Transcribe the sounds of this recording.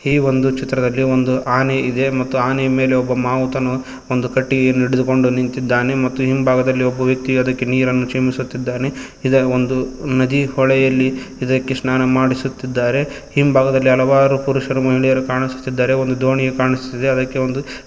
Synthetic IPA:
iːʋond̪ut͡ʃit̪ːɾɐd̪ɐlːiond̪uʔaːneʔid̪e̞mɐt̪ːuaːnejɐme̞ːle̞ɔbːɐmaːʋt̪ɐnu | ond̪ukɐʈːiɡeːnuiɽed̪uko̞ɳɖunint̪id̪ːaːne̞mɐt̪ːuɦimbʱaːɡɐd̪ɐlːiɔbːɐʋjɐk̚t̪iɐd̪ɐkːe̞niːɾɐnːut͡ʃemisut̪ːid̪ːaːne̞ | id̪ɐond̪unɐd̪ihɔɭɛjɐlːiid̪ɐkːe̞snaːnɐmaːɽisut̪ːid̪ːaːɾe̞ | himbʱaːɡɐd̪ɐlːiɐlɐʋaːɾupuɾuʂɐɾumɐɦiɭijɐɾukaːɳisu̥t̪ːid̪ːaːɾe̞ond̪ud̪ʱoːɳijekaːɳisut̪ːid̪eɐd̪ɐkːe̞ond̪u

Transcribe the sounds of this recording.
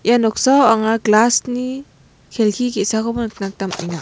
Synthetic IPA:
janɔk̚sawaŋaklasni | kʰelkʰikesakʰɔbɔnknak̚tamḭjna

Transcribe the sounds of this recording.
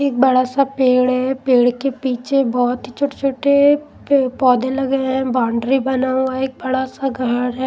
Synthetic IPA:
eːk̚bɐɽasapeːɽɦɛːpeːɽkepiːt͡ʃebɔːt̪ɦit͡ʃʰoːʈet͡ʃʰoːʈe | pɔːd̪elɐɡeɦɛ̃bãːɳɖɾibɐnaːũaeːk̚bɐɽasaɡʱəɾɦɛː

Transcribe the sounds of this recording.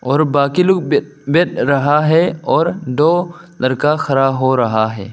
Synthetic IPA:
ɔːɾbaːkilʊk | beʈɾɐɦaɦɛɔːɾɖ̪oːlɐɾkaxɐɾaːɦoɾɐɦaɦɛ̰ː

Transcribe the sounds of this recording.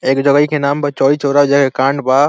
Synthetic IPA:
eːkd͡ʒəɡəikʰenaːmpɐt͡ʃɔːit͡ʃoːɾad͡ʒakekãːɳɖbaː

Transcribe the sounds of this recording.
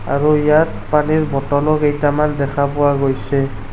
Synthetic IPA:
a̰ɹuijaɹ | paniɹbɔtɔlɔkejtamandɛkʰapʊwaɡojsɛ

